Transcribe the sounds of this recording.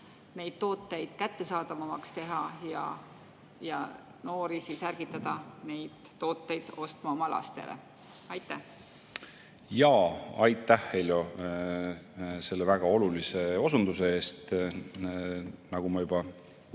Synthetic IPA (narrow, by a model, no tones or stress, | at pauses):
ne̞jd̪̥t̪o̞ːt̪ːˑe̞jd̪̥kæt̪ːe̞sɑːd̪ɑmɑmɑkst̪e̞ɦɑjɑ̰ | jɑ̰ | no̞ːɾisisærɡ̥it̪ːˑɑd̪̥ɑne̞jd̪̥ːo̞ːt̪ːˑe̞jd̪̥o̞st̪mɑomɑlɑ̰st̪e̞̰lḛ | ɑjt̪ːæh | jɑːɑjt̪ːˑæhelʲjo̞ | se̞lːevæɡ̥ɑo̞lulise̞o̞sund̪̥us̬e̞e̞ːst̪ | nɑɡ̥umɑjub̥ɑ